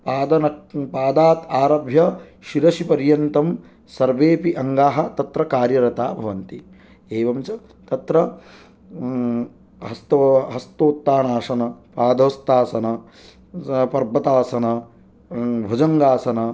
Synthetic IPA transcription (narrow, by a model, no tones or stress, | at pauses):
paːd̪ɐnɐpaːd̪aːt̪aːɾɐbʱjɐʃiɾɐʃipɐɾjɐnt̪ɐm | sɐɾʋeːpiʔɐŋɡaːɦɐ̆t̪ɐt̪ɾɐkaːɾjɐɾɐt̪aːbʱɐʋɐnt̪i | eːʋɐmt͡ʃɐ | t̪ɐt̪ɾɐ | ɦɐst̪ɐɦɐst̪oːt̪ːaːnaːʂɐnɐpaːd̪ɐːst̪aːsɐnɐ | pɐɾbʱɐt̪aːsɐnɐ | bʱɐd͡ʒɐŋɡaːsɐnɐ